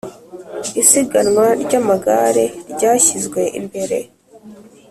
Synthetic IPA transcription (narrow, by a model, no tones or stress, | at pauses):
isiɡanŋwaɾɟamaɡaːɾeɾɟaːçizɡwe̞ʔḭmbe̞ɾe̞̰